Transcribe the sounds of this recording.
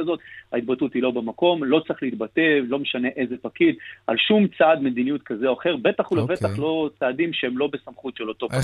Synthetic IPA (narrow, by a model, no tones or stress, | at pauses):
azo̞t̪hait̪batutilo̞bemako̞mlo̞t͡sʁiχleit̪bate̞vlo̞meʃane̞ʔe̞ze̞pakid̪a̰lʃumt͡sad̪me̞d̪inijut̪̚kazeoaχe̞ʁbe̞t̪aχulavet̪aχlo̞t͡saːd̪imʃeemlo̞besamχutʃelo̞t̪o̞p